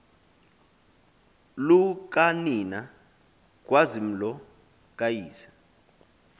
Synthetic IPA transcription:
luk̬ʼanina | k̬ʼwazim̩lɔ | kʼajiːsḁ

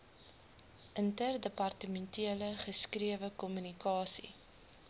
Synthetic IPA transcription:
ʔəntərdəpɐrtəmɛntʰiələχəskriəvəkɔmynikɑːsḭ

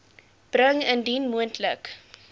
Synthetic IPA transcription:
b̥rəŋəndinmuəntlək

